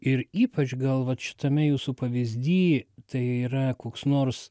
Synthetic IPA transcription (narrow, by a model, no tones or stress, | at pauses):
ɪɾiːpɐt͡ʃɡɐlˠʋɐt̪ʃʲɪ̥t̪ɐmʲɛjuːsupɐʋʲizʲd̪ʲiːt̪ɐɪiːɾɐkoːksnoːrs